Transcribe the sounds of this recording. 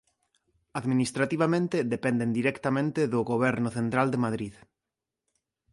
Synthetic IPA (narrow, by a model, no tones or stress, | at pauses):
aðminist̪ɾat̪iβ̞amẽnt̪eðepɛnd̪end̪iɾɛkt̪amẽnt̪eðʊɣoβɛɾnʊθent̪ɾald̪emaðɾið